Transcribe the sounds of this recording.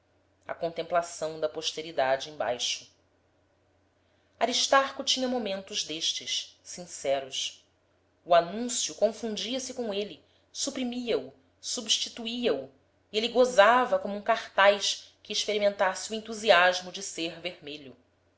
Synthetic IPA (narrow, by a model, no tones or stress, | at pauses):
ɐ̰kõnt̪ẽmplasɐ̃w̃d̪ɐpoʃt̪eɾid̪ad͡ʒɪẽj̃ba̰jʃʊ̥ | aɾiʃt̪aɾkʊt͡ʃĩɲɐmomẽnt̪ʊʒd̪eʃt͡ʃɪʃsĩsɛɾʊs | uanũsjukõfũd͡ʒiɐsɪkõeli | supɾimiɐu | subʃt͡ʃit̪uiɐu | ieliɡozavɐkõmʊũkaχt̪ajʃkɪːʃpeɾimẽnt̪asɪuẽnt̪uziaʒmʊd͡ʒɪseɾveɾmeʎʊ